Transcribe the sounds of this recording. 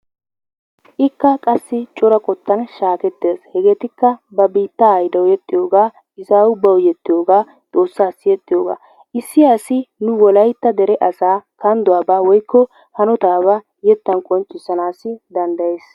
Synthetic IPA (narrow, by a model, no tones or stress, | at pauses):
ʔɪkːɐkʼɐsːɪt͡ʃʼɔɾɐkʼɔt̪ːɐnʃaːkɛt̪ːeːshɛɡeːt̪ɪkːɐbɐbiːt̪ːɐːjd̪ɐwjɛt̪ʼːɪjo̞ːɡaː | ɪsaːwʊbːɐwjɛt̪ːɪjo̞ːɡaː | t̪ʼo̞ːsːaːsɪjɛt̪ʼːɪjo̞ːɡa̰ː | ʔɪsːɪjaːsɪnʊwɔlɐjt̪ːɐd̪ɛɾɛʔɐsaːkɐnd̪ʊwaːbaːwɔjkːɔ | hɐnɔt̪aːβɐ | jɛt̪ːɐnkʼɔnt͡ʃʼːɪsːɐnaːsːɪd̪ɐnd̪ɐjeːs